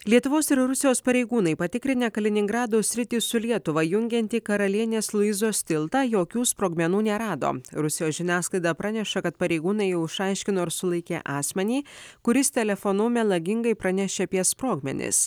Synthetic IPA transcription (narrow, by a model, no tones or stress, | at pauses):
lʲiɛt̪ʊʋoːsɪɾɾʊsʲɪjoːspɐɾʲɛɪɡuːnɐɪpɐt̪ʲɪkɾʲɪnʲeːkɐlʲɪnʲɪŋɡɾɑːd̪oːsʲɾʲɪt̪ʲiːsʊlʲiɛt̪ʊʋɐjʊŋʲɡʲɛnʲt̪ʲikɐɾɐlʲiɛnʲeːslˠʊɪzoːsʲt̪ʲɪlˠt̪ɑːjoːkʲuːspɾoːɡmʲɛnuːnʲɛɾɑːd̪o̰ːɾʊsʲɪjoːsʒʲɪnʲæːsklˠɐɪd̪ɑpɾɑnʲɛʃɐkɐt̪pɐɾʲɛɪɡuːnɐɪjɛʊɪʃɑˑɪʃʲkʲɪnoːɪɾsʊlˠɐɪkʲeːʔɑːsʲmʲɛnʲiːkʊɾʲɪst̪ʲɛlʲɛfonʊmʲɛlˠɐɡʲɪŋɡɐɪpɾɐnʲɛʃʲeːɐpʲiɛspɾoːɡmʲɛ̰nʲɪ̰s